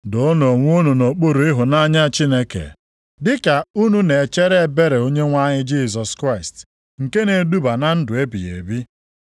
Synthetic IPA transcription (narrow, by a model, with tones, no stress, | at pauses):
do˨˦no˨ŋʷ˦u˦nu˨no˨k͡po˦ɾu˨ɪ˦ɦʊ˨na˦ɲa˦t͡ʃi˦ne˦kḛ˨ | dɪ˦ka˨u˦nu˦ne˨t͡ʃe˦ɾe˦˨be˦ɾe˨o˦ɲe˦ŋʷa˦ɲɪ˦d͡ʒi˦s̬ɔ˨skɾa˦ɪ˨st | ŋ̩˨ke˦ne˨du˦ba˨na˦n̩˦dʊ˨e˦bi˨jḛ˨bi˦